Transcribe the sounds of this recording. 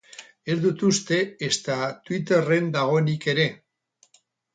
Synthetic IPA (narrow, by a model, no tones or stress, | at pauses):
e̞zðut̪ust̪e̞est̪at̪wit̪̬e̞re̞nd̪aɣ̞o̞enike̞ɾe̞